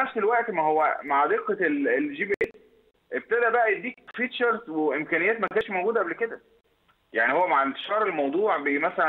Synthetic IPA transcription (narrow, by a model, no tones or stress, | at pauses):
æʃd̪elwæʔt̪mæhowːæ̰maʕd̪eqːeelelʒiːbiʔes | ʔeb̚t̪æd̪æbæʔæd̪iːkfiːt̪t͡ʃɑɾzweʔemkænejːæːt̪mækæːnʃmoɡuːd̪æʔæblked̪æ | jaʕnihowːæmaʕent̪e̥ʃɑːɾˤelmɑwd̪ˤuːʕbeʔiːmæsælæn